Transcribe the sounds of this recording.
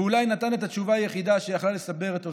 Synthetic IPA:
ulajnat̪ane̞t̪at͡ʃuvaːjeχid̪aʃejaχlale̞sabe̞ʁet̪o

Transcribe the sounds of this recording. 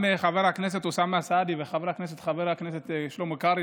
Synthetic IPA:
meχaveʁhaknes̬et̪usameasad̪iveχaveɾhaknes̬et̪χaveʁaknes̬et̪ʃelomekaʁi

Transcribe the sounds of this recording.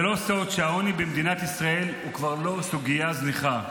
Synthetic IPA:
elo̞sot̪ʃeaonibemd̪inat̪isʁae̞lukvaʁlo̞suɡijazniχa

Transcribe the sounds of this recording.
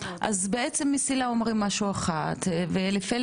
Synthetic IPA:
ʔa̰zbeet͡semːisilao̞mʁimːaʃuaχat̪velefe

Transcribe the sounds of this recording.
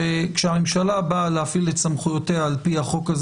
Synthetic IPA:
ekʃeame̞mʃalabalehafiletsamχujoteaːlpihaχo̞kaz

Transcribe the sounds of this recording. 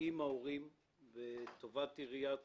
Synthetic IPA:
imaoʁim | vet̪ovat̪iʁija

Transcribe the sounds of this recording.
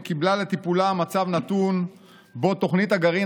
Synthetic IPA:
kiblale̞t̪ipulamat͡savnat̪un | bo̞t̪o̞χnit̪aɡaʁi

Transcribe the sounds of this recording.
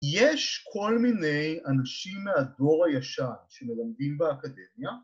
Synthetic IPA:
jeʃkʰo̞lmine̞janaʃimːeado̞ʁhajaʃanʃemelamd̪imbeakad̪e̞mja

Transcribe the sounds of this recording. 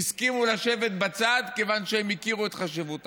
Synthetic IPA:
iskimulaʃe̞ve̞t̪bat͡sad̪ke̞vanʃehemikiʁuet̪χaʃevut̪

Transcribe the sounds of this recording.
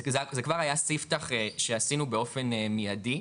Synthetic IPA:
zazekvaʁajasiftaχeʃeasinubeo̞fe̞nemijadi

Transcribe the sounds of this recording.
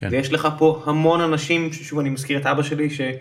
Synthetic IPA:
vejeʃleχapo̞hamo̞nanaʃimʃeʃuvanimaskiʁetʔabaʃe̞liʃe̞

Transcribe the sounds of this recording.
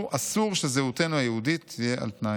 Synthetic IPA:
ʔasuʁʃezeute̞nuajehudit̪ʰijeʔa̰lt̪na

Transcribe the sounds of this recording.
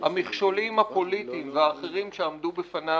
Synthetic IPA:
hamiχʃolimhapo̞lit̪imveaːχeʁimʃeamd̪ubefana

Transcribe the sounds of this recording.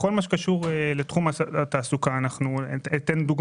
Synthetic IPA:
kolmaʃ̬ekaʃuʁelet̪χumaat̪aːsukaːnaχnut̪enud̪uɡ

